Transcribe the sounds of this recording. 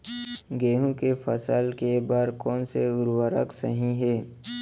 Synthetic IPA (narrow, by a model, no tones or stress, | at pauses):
ɡeːɦũkefʰəsəlkebaːɾkɔːnseʊɾwəɾə̰ksə̰ɦĩɦeː